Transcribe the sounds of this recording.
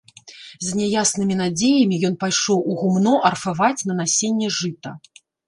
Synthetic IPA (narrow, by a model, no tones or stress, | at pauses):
zʲnʲɛjasnɨmʲinad͡zʲejɐmʲijɔn̪pajʂɔwuɣumnɔʔɐrfavat͡sʲnɐnasʲenʲːɛʐɨt̪ɐ